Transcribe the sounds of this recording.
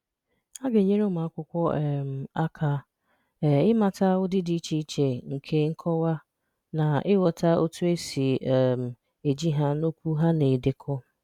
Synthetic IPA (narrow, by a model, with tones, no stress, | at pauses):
a˦ɡe˨ɲe˦ɾe˦ma˨a˦kʷʊ˦kʷɔ˦ɛ˨m̩˨a˦kʰa˦ | ɛ˨ɪ˦ma˨ta˦ʊ˦dɪ˦di˨˦t͡ʃi˨˦t͡ʃe˨ŋ̩˨kʰe˦ŋ̩˦kʰɔ˦wa˦ | na˨ɪ˦wɔ˨ta˦o̰˦tu˦e˦si˨ɛ˦˨m̩˨ | e˨d͡ʒi˦ɦa˦no˦kʷu˦ɦa˦ne˨de˨kʰɔ˦